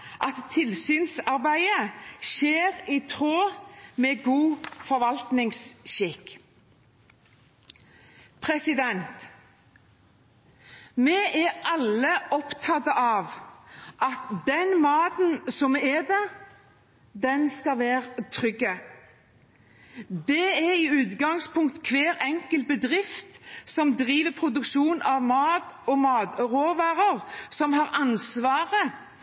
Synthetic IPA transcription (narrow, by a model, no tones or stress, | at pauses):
ʔɑt̪ʰːɪlsyːnsɑʁbæɪəʃeːʁiːt̪ʰʁoːmeːɡuːfɔɾʋɑlt̪nɪŋsʃɪk | pʰʁɛsɪd̪ɛnt̪ | mɛːʔɛʔɑləʔɔpt̪ʰɑt̪əʔɑːʋʔɑt̪d̪ɛnmɑːt̪nsɔmɛd̪ɛ | d̪ɛnskɑʋæːɾt̪ʰɾʏɡːə | d̪ɛɛɾiʉːt̪ɡɑŋspʰʊŋk̚t̪kʰʋeːɾɛŋkəl̚bəd̪ʁɪft̪sɔmd̪ʁiːʋəpʰɾʊd̪ʉkʃuːnɑʋmɑːt̪ɔmɑːd̪ʁoːʋæːʁəʁsɔmhɑːʁɑnsʋɑːʁə